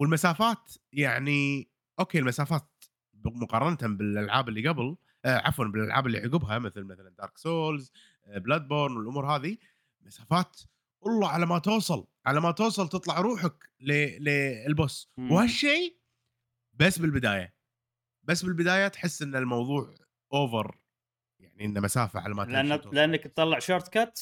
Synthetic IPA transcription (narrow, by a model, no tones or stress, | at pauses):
wəlmasaːfaːt̪jaʕni | ʔoːkeːlmasaːfaːt̪ | mʊqɑrˤɑnt̪abɪlʔalʕaːbɪlːiɡabɪl | ʕa̰fwanbɪlʔa̰lʕa̰ːbɪlːḭʕʊɡɪbɦamɪθlmaθaland̪ɑːɾksoːlz | blad̪̚boɾnwɪlʔʊmuːɾɦaːði | lmasaːfaːt̪ | ʔʊlˤːɑːʕalamat̪oːsˤɑlʕalamat̪oːsˤɑlt̪ɨt̪ˤlɑʕɾuːħaklilɪlbʊsːwhaʃːeː | basːbɪlbɪd̪aːja | basːbɪlbɪd̪aːjat̪ħɪsːʔɪnːalmɑwðˤuːʕ | ʔoːvɪ̰ɾ | jaʕniʔɪnːamasaːfa̰ʕa̰lamat̪ʔanːlʔanːakt̪t̪ːˤɑlːɑʕʃoːɾt̪kat̪